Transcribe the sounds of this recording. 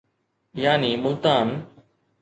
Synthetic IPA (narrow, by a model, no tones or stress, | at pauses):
jaːniːmʊlt̪aːn